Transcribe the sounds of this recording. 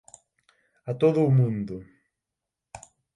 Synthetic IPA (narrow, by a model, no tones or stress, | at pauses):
at̪oðʊːmũnd̪ʊ